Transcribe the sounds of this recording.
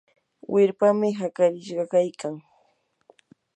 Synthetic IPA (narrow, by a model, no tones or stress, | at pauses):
wʔɪɾpamɪɦakaɾɪʃɢɑkajkaŋ